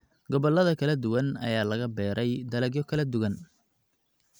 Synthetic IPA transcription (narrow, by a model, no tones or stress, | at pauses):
ɡɔβɔlːɐðɐkʰɐlɐd̪ʊwɐnɐ̰jaːlɐɣɐbɛːɾʔɛjd̪ɐlɐɡjɔkʰɐlɐd̪ʊɣɐn